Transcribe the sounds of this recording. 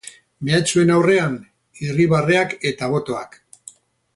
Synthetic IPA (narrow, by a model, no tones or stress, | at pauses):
me̞at͡ʃue̞nawre̞an | iriβare̞ake̞t̪aβ̞o̞t̪o̞ak